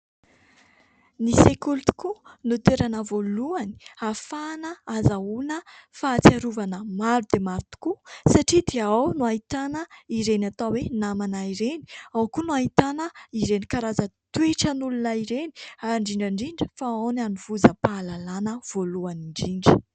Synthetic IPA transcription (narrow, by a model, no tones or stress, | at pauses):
nisekult̪u̥kunut̪eɾanəvoluani̥afanəazaunəfaːt͡siaɾuvanəmaɾud̪̥emaɾut̪u̥kusaʈ͡ʂid̪eawnuaɦit̪anəiɾenat̪awenamanaiɾeni̥awkunuaɦit̪anəiɾenikaɾazət̪weʈ͡ʂənulunəiɾeni̥aɾɳɖ͡ʐiɳɖ͡ʐaɳɖ͡ʐiɳɖ͡ʐi̥faownanuv̥uzəpaːlalanəv̥oluaniɳɖ͡ʐiɳɖ͡ʐi̥